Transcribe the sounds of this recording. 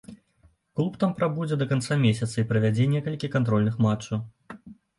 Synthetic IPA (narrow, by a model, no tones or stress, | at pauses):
klˠupt̪ampɾabud͡zʲɛd̪ɐkant̪samʲesʲɐt̪sɐipɾɐvʲad͡zʲɛnʲɛkɐlʲkʲikant̪ɾɔlʲnɨxmat͡ʂːɐw